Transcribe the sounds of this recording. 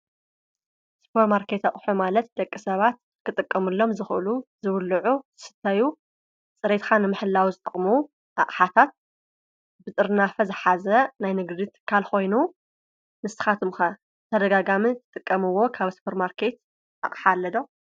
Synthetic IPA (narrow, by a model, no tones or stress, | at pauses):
spʰoɾmaɾkʰe̞t̪aχʼħumalɐt̪̚d̪ɐkʼːisɐβat̪̚ | kʰɨt̪ʼɨkʼːɐmɨlːo̞mzɨxʔɨ̰luzɨβlːɨʕuzɨsɨ̥t̪ʰːaju | t͡sʼɨɾet̪xanɨmɨħɨlːawzɨt̪ʼɐχʼmu | ʔa̰χʼħat̪ʰat̪̚ | bɨt̪ʼɨɾnafɐzɨħazɐnajnɨɡd̪it̪ʰɨ̥kʰːalxo̞jnu | nɨst̪ɨ̥xat̪ʰɨmxɐ | t̪ʰɐd̪ɐɡaɡamit̪ʰɨ̥t̪ʼɨkʼːɐmɨwːo̞kʰaβspʰɐɾmaɾkʰe̞t̪̚ | ʔa̰χʼħalːɐd̪o